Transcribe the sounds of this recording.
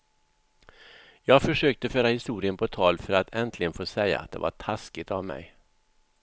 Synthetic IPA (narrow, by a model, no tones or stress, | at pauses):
jɑːɡfœʂøːk̚t̪əføːɾahɪst̪uːɾɪənpʰɔt̪ʰɑːlfœɾat̪ʰɛnt̪ʰlɪɡənfoːsɛjːa̰a̰t̪̚d̪ɛ̰va̰ʈʰaskɪt̪avmɛ̰j